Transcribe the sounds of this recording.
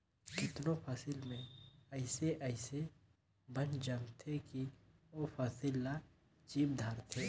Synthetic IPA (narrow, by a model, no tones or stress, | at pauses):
kɪt̪nõpʰasɪlmẽɐɪseʔəɪse | bənd͡ʒɐmt̪ʰeki | oːpʰaːsɪlːa | t͡ʃiːb̚d̪ʱaːɾt̪ʰeː